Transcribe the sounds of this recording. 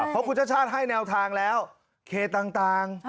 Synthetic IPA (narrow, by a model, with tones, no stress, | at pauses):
pʰɔ˦˥kʰu˧nt͡ɕa˧˥˩t͡ɕʰaː˥˩t̪̚ɦa˥˩jnɛː˧wt̪ʰaː˧ŋlɛː˦˥w | kʰeː˧˩t̪aː˧ŋt̪aː˧ŋ